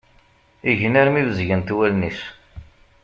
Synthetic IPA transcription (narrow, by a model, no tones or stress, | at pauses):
iʝənæɾmivəzʝənt̪wælnis